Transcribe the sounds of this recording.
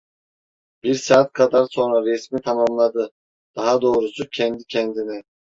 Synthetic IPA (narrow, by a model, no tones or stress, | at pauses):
b̥iɾsaːt̪̚kʰad̪aɾso̞nɾaɾɛsmit̪ʰamamlˠad̪ɯ | d̪̥aɦad̪o̞ːɾusucʰɛnd̪icʰɛnd̪inɛ